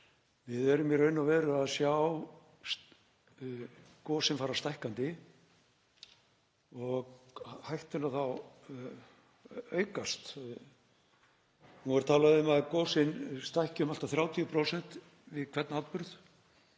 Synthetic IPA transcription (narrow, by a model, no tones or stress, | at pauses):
vɪðɛɾʏmjɛɾœːɥnːavɛːɾʏaðsjaw | s | kɔːsɪnfaːɾast̪ajhkant̪ɪ | ɔɣhajht̪ʏnaθaw | œːɥkast̪ | hunvɛɾ̥t̪ʰaːlaðɪʏmaðkɔːsɪnst̪ajhcɪʏmal̥t̪aθɾjaːwt̪ʰijʏpʰɾowsɛn̥t̪ | vɪðkʰvɛt̪naat̪pʏɾð